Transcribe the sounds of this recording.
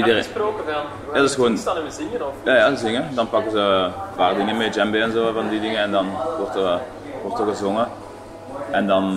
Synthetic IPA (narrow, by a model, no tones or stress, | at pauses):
idəsroːkəv | adɪsxəʋoːnnəzɪŋənjajadəzɪŋədɑnpɑkəzəʋaːrədinimed͡ʒɛmbeɛnzoːvɑndidɪŋəɛndɑnʋɔrtə | ʋɔrtərɣəzʊŋə | ɛndɑn